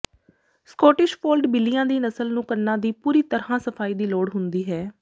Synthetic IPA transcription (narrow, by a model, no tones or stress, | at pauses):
skɔːʈɪʃpʰoːlʈbɪlɪjãːd̪iːnəsəlnũːkəɾnãːd̪iːpuːɾiːt̪əɾhãːsəfʰaːiːd̪iːloːɽɦʊnd̪iːɦɛː